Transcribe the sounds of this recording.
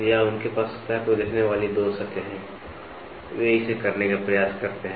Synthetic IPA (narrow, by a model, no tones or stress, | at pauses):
jaʊnkepaːspɛkod̪ɪkʰneʋaːlid̪oːsɐkeɦɛ̃ː | ʋeɦisekɐɾnekapɾɐjaːskɐɾt̪eɦɛ̃